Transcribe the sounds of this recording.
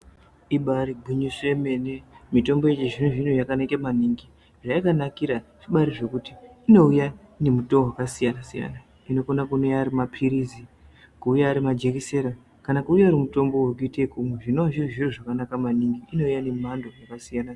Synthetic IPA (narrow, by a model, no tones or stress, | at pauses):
iɓaɾiɡʱuɲiseme̞nemito̞mbo̞et͡ʃiʐineʐinujakanakemaniŋɡi | ʐaikanakiɾaʐ̥iɓaɾiʐe̞kutiːno̞uja | ne̞mutowakasijanasija̰na | ino̞konakuneaɾimapʰiɾizi | kuːjaːɾimad͡ʒe̞kise̞ɾa | kanakuːjaɾimuto̞mbo̞wekuitekumweʐinowaʐiriʐiriʐakanakamaniŋɡiino̞ujane̞mandojakasijana